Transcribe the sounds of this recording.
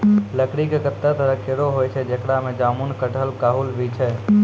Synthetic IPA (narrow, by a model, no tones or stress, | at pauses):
ləkɽikekət̪ːət̪əɾəkeɾoɦojt͡ʃʰɛd͡ʒekɽamed͡ʒaːmunkəʈʰəlkaɦulbʱit͡ʃʰɛ